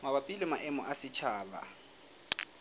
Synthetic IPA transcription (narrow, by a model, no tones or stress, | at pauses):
ŋaβapʼilimaʔɛmɔʔasɪt͡ʃʰaːba̰